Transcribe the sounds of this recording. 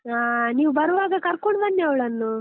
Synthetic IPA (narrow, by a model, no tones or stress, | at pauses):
aːniːʋubɐɾʋaːɡɐkɐɾkoɳbɐnːiɐʋɭɐnːu